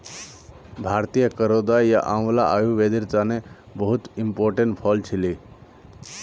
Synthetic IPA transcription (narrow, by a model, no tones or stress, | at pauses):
bʱaɾt̪ijəkəɾod̪ajja̰ʔãm̃laʔajuʋed̪iɾt͡sane | bəɦut̪impoːɾʈeɳʈpʰɔlt͡ʃʰili